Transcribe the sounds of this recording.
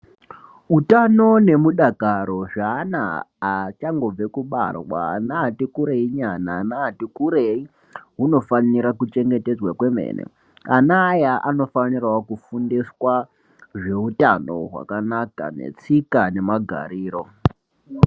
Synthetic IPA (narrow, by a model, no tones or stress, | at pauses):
utano̞ne̞muɗakaɾo̞ʐaːna̰ː | t͡ʃaŋɡo̞b͡vekuɓa̰rwa̰natikuɾeiɲananaːtikuɾei | ɦuno̞faniɾakut͡ʃe̞ŋɡe̞te̞d͡zwakwe̞mḛːnḛ | anaːjaʔano̞fanirwakufundiswa | ʐe̞utano̞̰ɦwa̰kanaka̰ne̞̰t͡sikane̞maɡʱa̰ɾiːɾo̞